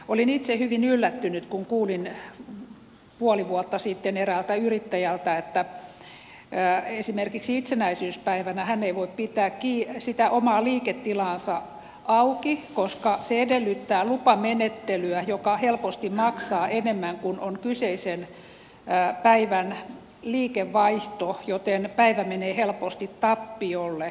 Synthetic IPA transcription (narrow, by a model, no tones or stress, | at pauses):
olinit̪sehyʋinylːæt̪ːynyt̪kuŋkuːlin | puoliʋuot̪ːɑsit̪ːenerælt̪æyrit̪ːæjælt̪æet̪ːæ | esimerkiksiit̪senæisyːspæiʋænæhænːeiʋoippit̪æːkkiːsit̪æʔomɑːliːket̪ːilɑːnsɑ | ɑukikoskɑseedelːyt̪ːæːlupɑmenet̪ːelyæjokɑhelpost̪immɑksɑːʔenemːæŋkunonkyseisenː | pæiʋæn | liːkeʋːɑiht̪ojot̪enpæiʋæmeneːhelpost̪it̪tɑpːiolːe